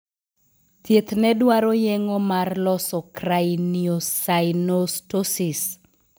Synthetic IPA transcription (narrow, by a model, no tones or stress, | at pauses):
t̪et̪nɛdwaɾɔjɛŋɔmarlɔsɔkrajniosajnostosis